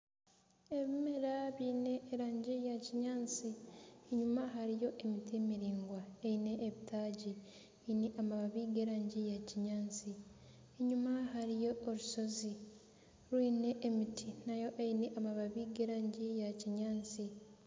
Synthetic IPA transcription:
e̞βimeɾaβiːne̞ʔːɾaːɲɟijaciɲaːnt͡sieɲumaɦaɾijo̞ʔemitimiɾiːŋɡwaeine̞ʔːβitʰaːɟi | eineʔamaβaβiːɡeːɾaːɲɟijaciɲaːnt͡si | eɲumaɦaɾijo̞ːɾuso̞zi | ɾwiːne̞ʔːmitʰinajo̞ʔeineʔamaβaβiːɡeːɾaːɲɟijaciɲaːnt͡si

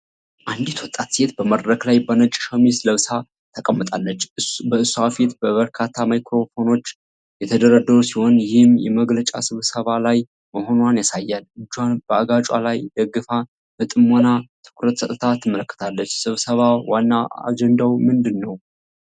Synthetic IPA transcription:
ʔand̪it̪wɔt̪ʼːat̪se̞t̪bəməɾɾəklajbənət͡ʃʼʃəmisləβsa | t̪ʰəkʼəmːət̪ʼalːət͡ʃːbəɨsːuafit̪bəβəɾkʰat̪ʰːamajkʰɾo̞fo̞no̞t͡ʃː | jɛt̪ʰəd̪əɾəd̪əɾusiho̞njɪhɨmjɛ̰məɡlət͡ʃʼa̰sɨβsəβalaj | məho̞nwanjasajːalɨd͡ʒːwanb̥əaɡat͡ʃʼa̰lajd̪əɡɨfa | bət̪ʼɨmːonat̪ʰɨ̥kʰuɾət̪sət̪ʼət̪ʰat̪ʰːɨmːələkːə̥t̪ʰalːət͡ʃːsɨβsəβawanːaa̰d͡ʒɛnd̪awmɨnd̪ɨnːəw

